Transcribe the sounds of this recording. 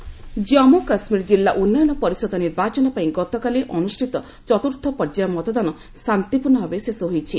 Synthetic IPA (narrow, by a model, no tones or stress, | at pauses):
d͡ʒɔmokasmiɾd͡ʒilːaʔunːɔjɔnɔpɔɾisɔd̪ɔniɾbat͡ʃɔnɔpaĩɡɔt̪ɔkaliʔɔnusʈʰit̪ɔ | t͡ʃɔt̪uɾt̪ʰɔpɔɾd͡ʒajɔmɔt̪ɔd̪anɔ | sant̪ipuɾnːɔɦɔbesesɔɦojt͡ʃʰi